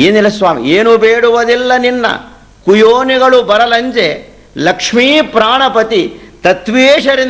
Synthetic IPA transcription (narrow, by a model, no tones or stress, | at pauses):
eːnilːɐsʋaːmḭeːnubeːɽuʋɐd̪ilːɐninːɐ̰ | kujoːniɡɐɭubɐɾɐlɐɲd͡ʒe | lɐkʂmiːpɾaːɳɐpɐt̪it̪ɐt̪ʋeːʂɐɾin